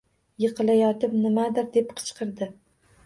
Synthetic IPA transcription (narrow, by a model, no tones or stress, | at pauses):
jɨqɨlajɒt̪ɪpnɪmad̪ɪɾd̪e̞pqʰɨ̥t͡ʃqʰɨɾd̪ɪ